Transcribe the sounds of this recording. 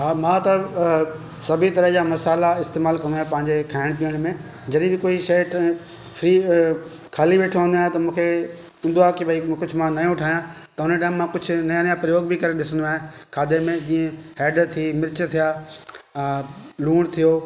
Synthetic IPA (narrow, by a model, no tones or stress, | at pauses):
ɦaːmãːt̪ɐ | sɐbʱit̪ɐɾəɦd͡ʑaːmɐsaːlaɪst̪eːmaːlkɐ̃nd̪uaːɦẽpɐ̃ɦɪ̃ɲd͡ʑekʰaːɪɽ̃pijəɽ̃mẽ | d͡ʑɐɗibɪkoːiʃɐjʈʰ | pʰɾiː | kʰaːliʋeːʈʰõə̃nd̪uaːɦẽt̪ɐmũːkʰe | ɪ̃nd̪uaːkibʱɐikʊd͡ʑʱʊmãnɐjõʈʰaːɦijã | t̪ɐʊneʈaːɪ̃mːãkʊd͡ʑʱʊ̆nɐjãnjãpɾɐjoːɡbʱikɐɾeɗɪsə̃nd̪oaːɦẽkʰaːd̪emẽd͡ʑĩːẽɦɛːɖt̪ʰimɪɾt͡ɕt̪ʰijaː | luːɽ̃t̪ʰijoː